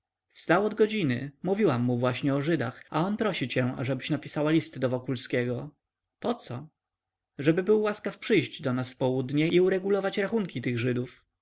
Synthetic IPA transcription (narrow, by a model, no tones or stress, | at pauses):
fst̪awɔd̪ɡɔd͡ʑinɘmuvʲiwamːuvwaɕɲɛɔʐɘd̪axa̰ɔnpɾɔɕit͡ɕɛa̰ʐɛbɘɕnapʲi̥sawalʲist̪d̪ɔvɔkulskʲɛɡɔ | pɔt̪sɔ | ʐɛbɘbɘwːwaskafpʂɘjʑd͡ʑd̪ɔnasfpɔwud̪ɲɛʔiuɾɛɡulɔvat͡ɕɾaxuŋkʲit̪ɘɣʐɘd̪uf